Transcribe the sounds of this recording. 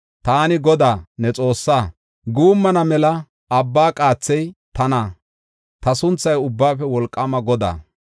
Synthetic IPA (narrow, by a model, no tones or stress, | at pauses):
t̪aːnɪɡɔd̪aːnɛt͡sʼo̞ːsːaː | ɡuːmːɐnɐmɛlɐ | ɐbːaːkʼaːt͡sːɛjt̪ɐna | t̪ɐsʊnt͡sːɐjʊbːaːfɛwɔlkʼːɐmɐɡɔd̪a̰ː